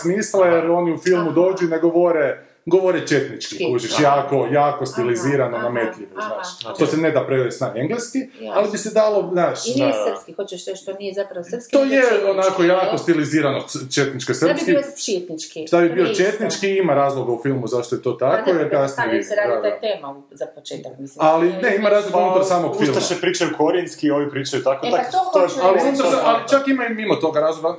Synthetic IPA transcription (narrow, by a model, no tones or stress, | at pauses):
smislajeɾo̞niufilˠmud̪o̞ːd͡ʒuineɡoʋoɾe | ɡoʋoɾet͡ʃet̪nit͡ʃkikut͡ʃiʃjaːko̞jaːkost̪iliziːɾanonamet̪ʎʲiʋoznaːʃt̪osened̪apɾeɾesnaeŋɡleskialibised̪alo̞znaːʃznaskiot͡ʃeʃʃt̪oniezapɾɐpst̪oːjeonakojaːkost̪iliziːɾanot͡ʃet̪nit͡ʃkosɾ̩psskit͡ʃet̪nit͡ʃkit̪abibiot͡ʃet̪nit͡ʃkiimaɾaːzlˠoɡaufilˠmuzaʃt̪ojet̪o̞ːt̪akojeɾkasniid̪ɾadaɡ̪at̪ema | zapot͡ʃeːt̪akmisalineimaɾaːzlˠoɡaunut̪aɾsaːmoɡfilmʃepɾiːt͡ʃajukoɾjenskioʋipɾiːt͡ʃajut̪akot̪aot̪oaliunut̪aaalit͡ʃakimaimimot̪o̞ɡaɾaːzlˠoɡa